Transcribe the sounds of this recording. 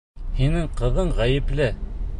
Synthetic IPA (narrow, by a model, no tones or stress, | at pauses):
hinɘɴqɤ̆ðɤɴʁæjɘ̆plɘ